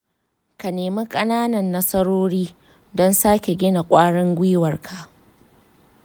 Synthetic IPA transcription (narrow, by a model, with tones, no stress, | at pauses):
ka˨neː˨me˦kʼɐ˦naː˦nɐ˨nːɐ˦sɐ˦ɽoː˦ɽiː˦ | dɔ˦nsaː˦kʲe˨ɡʲɪ˦na˨kʷʼaː˦ɽɪ˦ŋɡʷiː˦wɐ˨rkʰa˨ʔ